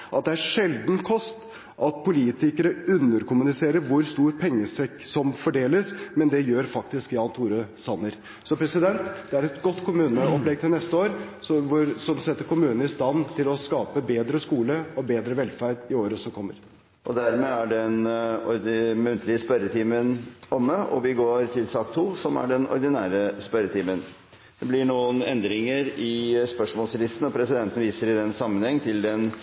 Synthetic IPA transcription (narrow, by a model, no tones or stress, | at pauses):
ʔɑt̪̚d̪ɛæɾʂɛld̪nkʰɔst̪ | ʔɑt̪pʰʊliːt̪ɪkəɾəʉnːəɾkʊmʉnɪseːɾəɾʋʊɾst̪uːɾpʰɛŋːəsɛksɔmfɔɖeːləsmɛnd̪ɛjøːɾfɑkt̪ɪskɪɑːnt̪ʰuːɾəsɑnːəɾ | sɔpʰɾɛsɪd̪ɛnt̪d̪ɛæɾɛt̪ɡɔt̪ːkʰʊmʉːnəɔplɛɡ̚t̪ʰɪlnɛst̪əoːɾsɔʋʊɾsɔmsɛt̪ːəɾkʊmʉːnnəɪst̪ɑnt̪ʰɪlɔskɑːpəbeːd̪ɾəskuːləɔbeːd̪ɾəʋɛlfæɾɖɪoːɾəsɔmkʰɔmːəɾ | ʔɔd̪æɾmeːæɖɛnɔɾd̪ɪmʉnt̪ʰlɪəspœɾət̪ʰiːmənɔmːəɔ̰ʋɪɡoːɾt̪ʰɪlsɑk̚t̪ʰːuːsɔmæ̰ɖɛnɔ̰ɾd̪ɪnæːɾəspœɾət̪ʰiːmən | d̪̥ɛblɪɳuːənɛnd̪ɾɪŋəɾɪspœʂmɔːlslɪst̪n̩ɔpʰɾɛsɪd̪ɛnt̪n̩ʋiːsəɾɪd̪ɛnsɑmːənhɛŋːt̪ʰɪld̪ɛn